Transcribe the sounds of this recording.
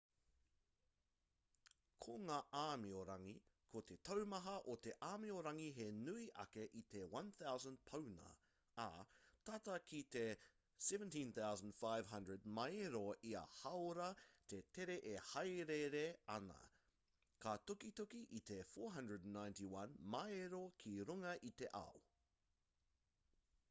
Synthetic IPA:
kʰoŋaːʔaːmioɾɐŋi | kʰot̪ʰetʰɐwmɐɦɐʔot̪eʔaːmioɾɐŋiɦenuiʔɐ̰keʔit̪ewɐ̃nθawzə̃n̚pʰownɐ̰ː | tɐtɐkʰit̪e | sɛvə̃ntĩnθawzə̃nd̥faɪv̥ɦɐ̃ndɹəd̚mɐjeɾoʔiɐ̰hɐwɾɐt̪etʰeɾeʔehɐjɾeɾeɐnɐ̰ | kʰatokitokiʔit̪efoːɹɦɐ̃ndɹədn̩ːãj̃ntiwɐ̃nmɐeɾokʰiɾuŋɐʔit̪eʔa̰o

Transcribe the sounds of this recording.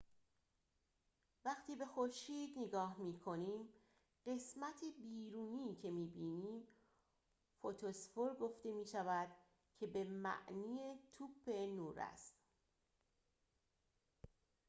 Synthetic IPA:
væχt̪ʰiːbe̞xoɾʃiːd̪neɡɒːhmiːkʰo̞niːm | ɢ̥e̞smæt̪ʰebiːɾuːniːcʰe̞miːbiːniːm | fot̪ʰosfoɾɡo̞ft̪e̞miːʃævæd̪̥ | cʰe̞bemæ̰ʔniːet̪ʰubʰe̞nuːɾæ̰st̪

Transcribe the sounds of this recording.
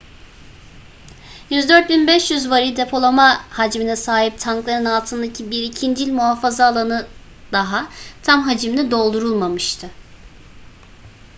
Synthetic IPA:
jyzd̪øɾt̪̚binbɛʃjyzvaɾid̪epʰo̞lˠamahad͡ʒminɛsaːɦip̚t̪ʰaŋklˠaɾɯnalˠt̪ʰɯnd̪acʰibiɾicʰind͡ʒilʲmuɦafazaːlˠanɯ | d̪̥aɦat̪ʰamɦad͡ʒimnɛd̪o̞lˠd̪uɾulˠmamɯʃt̪ʰɯ

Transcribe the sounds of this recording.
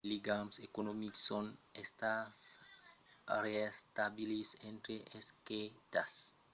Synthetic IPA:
liɡamsekonomiksonest̪as | ɾest̪abilisẽnt̪ɾeʔesket̪as

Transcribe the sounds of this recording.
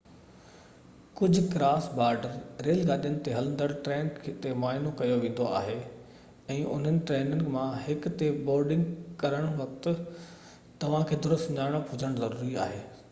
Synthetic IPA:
kʊd͡ʑʱʊ̆kɾaːsbaːɾɖəɾɾeːlɡaːɗijənɪ̆t̪eɦɐlə̃n̆d̪əɽʈɾeːnkʰet̪emaːɪnokɐjoʋẽːn̆d̪oa̰ːɦe | ɛ̃ːʔʊ̰n̤ənɪ̆ʈɾeːnɪŋɡmãɦɪkt̪eboːɾɖɪ̃ŋɡkɐɾəɽ̃ʋɐk̚t̪ | t̪ɐʋ̤ãkʰeːd̪ʊɾəst̪ɲaːɽ̃əpɦʊd͡ʑʱəɽ̃zɐɾuːɾia̰ːɦeː

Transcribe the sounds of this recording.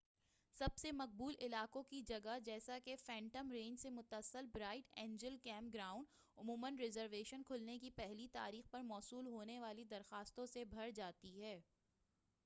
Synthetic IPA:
sɐbsemɐq̚buːlʔɪlaːkõkid͡ʒɐɡad͡ʒɛːsakefɛ̃ːɳʈəmɾẽːɲd͡ʒsemʊt̪əsːəlbɾaːɪʈɛ̃ːɲd͡ʒəlkɛ̃ːmp̚ɡɾaːʊ̃ɳɖ | ʊmuːmənɾɪzəɾʋeːʃənkʰʊlnekipɛɦlit̪a̰ːɾiːxpɐɾmɔːsuːlɦoːneʋaːlid̪ɐɾxaːst̪õsebʱɐɾd͡ʒaːt̪iɦɛː

